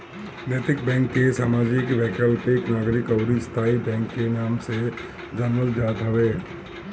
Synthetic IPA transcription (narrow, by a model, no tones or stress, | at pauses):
net̪ɪk̚bɛ̃ːŋkːesaːmaːd͡ʒɪkʋɛːkəlpeknaːɡɾɪkɐwɾist̪ʰaːibɛ̃ːŋkːenaːmse | d͡ʒɐnʋəld͡ʒaːd̪ʱɐʋeː